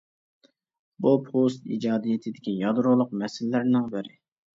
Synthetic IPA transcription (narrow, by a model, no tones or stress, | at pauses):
bupʰost̪ḭd͡ʒɑːd̪ijet̪ʰɪd̪ɪkʲijɑd̪ɾʊlˠʊqmɛsɪllæɾnɪŋbɪɾɪ